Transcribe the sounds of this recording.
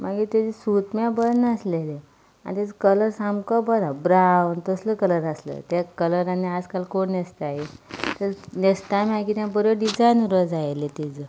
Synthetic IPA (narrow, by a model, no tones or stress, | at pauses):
maɡit̪ad͡zisut̪mãbəɾnəslele | a̰nit̪ad͡zəkələɾsamkəbəɾabɾawnt̪əsləkələɾaslə̰t̪jakələɾaniad͡zkalkoɳnest̪aɦet̪əɾnest̪amakit̪jãbəɾoɖid͡zajnuɾəd͡zajlet̪ed͡zə